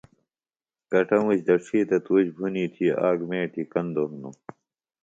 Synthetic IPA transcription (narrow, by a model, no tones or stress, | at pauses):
kɐʈɐmuɕd̪ɐʂʰiːt̪ɐt̪uːɕbʱuniːt̪ʰiaːɡmẽːʈʰikɐnd̪oɦnu